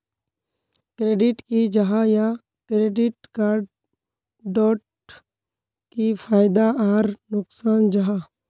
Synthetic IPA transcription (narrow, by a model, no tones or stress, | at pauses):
kɾeːɖɪʈkid͡ʒɐɦaja | kɾeːɖɪʈ̚kaːɾɖ | ɖɔːʈ | kipʰaːɪd̪aaːɾnʊksaːnd͡ʒaɦaː